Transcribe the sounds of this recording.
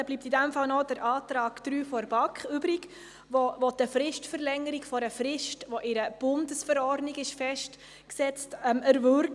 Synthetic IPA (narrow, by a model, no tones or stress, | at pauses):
ɛb̥liːp̚tidæmfɑlnɔd̥əɾʔɑːtɾɑːkd̥ɾyːfɔɾbɑkχybɾɪɡ | ʋoʋɔdəfɾɪʃtfəɾlɛŋəɾikfɔɾəfɾɪʃtʋoʔɪɾəb̥ʊndəsfəɾɔɾdnɪɡɪʃfɛʃt | ksɛt͡stɛməɾvøɾk